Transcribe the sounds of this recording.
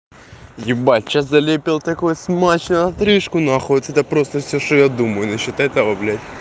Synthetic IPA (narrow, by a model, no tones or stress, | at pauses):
jɪbat͡ʃːɐzɐlʲepʲɪlˠt̪ɐkojsmat͡ɕnɐɐt̪ɾɪʂkʊnaxot̪ɛt̪ɐpɾost̪əfsʲoʂt̪ɔjad̪uməjʊnɐɕot̪ɛt̪ɐʋɐblʲætʲ